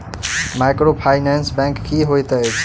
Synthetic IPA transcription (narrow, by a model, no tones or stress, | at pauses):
majkɾopʰajnɛnsbɛ̃ŋkːiɦojt̪ət͡ʃʰ